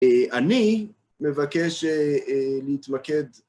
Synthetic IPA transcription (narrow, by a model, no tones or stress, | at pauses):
eʔani | mevakeʃeleit̪maked̪